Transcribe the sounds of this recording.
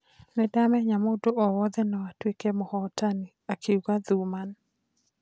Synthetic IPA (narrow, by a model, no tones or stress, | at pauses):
nɛdamɛɲamodoɔwɔd̪ɛnɔatwekemɔhɔtaniakʰeɡaduman